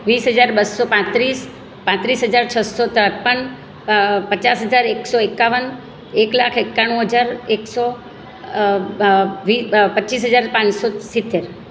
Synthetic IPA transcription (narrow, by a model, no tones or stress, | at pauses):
ʋisɦəd͡ʒaɾbəsːɔpãt̪ɾis | pãt̪ɾisɦəd͡ʒaɾt͡ʃʰəsːɔt̪ət̪̚pəɳ | pət͡ʃasɦəd͡ʒaɾeksɔekːaʋən | eklakʰekːaɽ̃ũɦəd͡ʒaɾeksɔ | ʋipəisɦəd͡ʒaɾpãsɔsit̪ːeɾ